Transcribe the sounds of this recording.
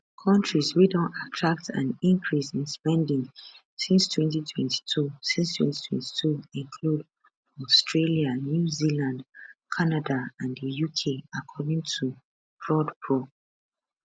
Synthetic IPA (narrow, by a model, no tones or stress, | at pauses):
kʰɔ̃ntʰɹiswidõntatʰɹak̚tʰã̰nĩŋkʰɹisĩnspɛ̃ndĩŋ | sĩnstʰwɛ̃ntitʰwɛ̃nti̥tʰusĩnstwɛ̰̃nti̥tʰwɛ̰̃nti̥tʰuĩnkʰlud | ɔstɹelianjuzilãndkʰanadaãndəjukʰeakʰɔdĩŋtʰu̥ | ɹɔdpʰɹo